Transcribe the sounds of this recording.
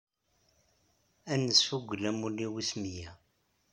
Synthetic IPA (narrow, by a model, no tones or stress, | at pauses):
ænːəsfuɡʷːəlæmulːiwismijæ